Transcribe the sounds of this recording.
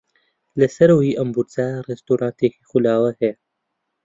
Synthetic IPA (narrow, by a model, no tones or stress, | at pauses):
lɐsɐɾoːiːʔɐmbuɾt͡saːrest̪oːɾʔãːnt̪eːkixulaːwɐhe